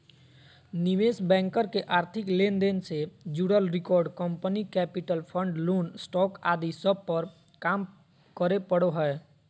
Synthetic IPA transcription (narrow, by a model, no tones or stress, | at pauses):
nɪʋeːsbɛ̃ːŋkəɾkeʔaːɾt̪ʰɪkleːnd̪eːnsed͡ʒuɽəlɾɪkɔːɾɖkə̃mpənikɛːpɪʈəlpʰə̃ɳɖloːnsʈɔːka̰ːd̪isəb̚pəɾ | kaːm | kəɾepəɽoɦɛe